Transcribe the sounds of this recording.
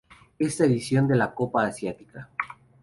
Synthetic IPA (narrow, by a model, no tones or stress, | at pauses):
e̞st̪aeðisjo̞nd̪e̞lako̞paːsjat̪i̥ka